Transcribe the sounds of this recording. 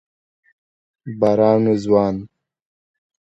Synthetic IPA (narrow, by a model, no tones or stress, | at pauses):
baɾɑːnuzwɑːn